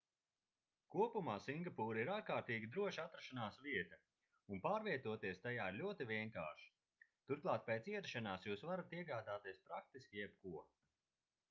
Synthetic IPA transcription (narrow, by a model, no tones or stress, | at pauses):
kuɔpumaːsiŋɡapuːɾiɾaɾkaːɾt̪iːɡʲid̪ɾuɔʃat̪ɾaʃanaːsviɛt̪ɐ | unpaːɾviɛt̪uɔt̪iɛst̪ajaːiɾlʲuɔt̪ivʲiɛŋkaːʃi̥ | t̪uɾklˠɑːt̪̚pɛːt̪siɛɾʃanaːsjuːsvaɾat̪iɛɡaːd̪aːt̪iɛspɾak̚t̪iskʲijɛb̥̚kuɔ